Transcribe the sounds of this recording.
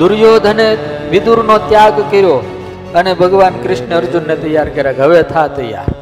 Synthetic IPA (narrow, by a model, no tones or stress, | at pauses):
d̪uɾjoːd̪ʱəneʋid̪uɾnot̪jaɡkəɾjo | ənebʱəɡʋankɾɪʃɳəəɾd͡ʒunːet̪əjːaːɾkəɾjaɡʱəʋet̪ʰat̪əja̰